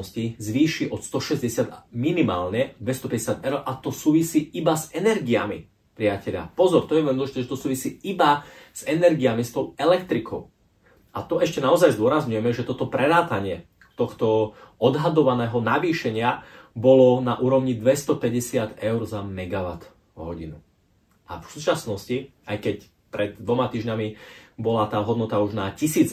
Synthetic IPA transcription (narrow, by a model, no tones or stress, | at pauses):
scizʋiːʃiʔɔt̪st̪ɔʃɛzɟɛsɪad̪minima̰ːlɲɛd̪ʋɛst̪ɔpɛɟɛsɪad̪ɛʊɾʔat̪ɔsuːʋisiːibazɛnɛɾɡia̰mḭ | pɾɪacɛʎa̰pɔzɔɾt̪ɔjɛɛnɔlɔʒit̪ɛʒɛt̪ɔsuːʋisiːibaz̥ɛnɛɾɡiamist̪ɔʊɛlɛkt̪ɾikʰɔʊ | ʔat̪ɔɛʃcɛnaɔzajzd̪ʊɔɾazɲujɛmɛʒɛt̪ɔt̪ɔpɾɛɾaːt̪aɲɪɛ | t̪ɔxt̪ɔɔd̪ɦad̪ɔʋanɛːɦɔnaʋiːʃɛɲɪabɔlɔnaʔuːɾɔʊɲid̪ʋɛst̪ɔpɛɟɛsɪad̪ɛʊɾzamɛɡaʋa̰t̪ | ɦɔɟḭnṵ | ʔa̰fsuːt͡ʃasnɔsci | ajkɛc | pɾɛd̪̚d̪ʋɔmat̪iːʒɲamibɔlat̪aːɦɔd̪nɔt̪auʒnacisiːd͡z